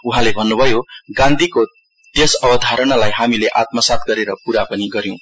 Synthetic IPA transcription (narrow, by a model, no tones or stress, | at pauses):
uɦãlebʱʌnːubʱʌjoɡãnd̪ʱiko | t̪esʌbʌd̪ʱaɾʌnalajɦamileʔat̪̚mʌsat̪̚ɡʌɾeɾʌpuɾapʌniɡʌɾjõ